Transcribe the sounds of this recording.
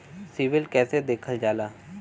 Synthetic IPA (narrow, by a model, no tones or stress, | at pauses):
siːʋɪlkɛːsed̪eːkʰəld͡ʒaːlaː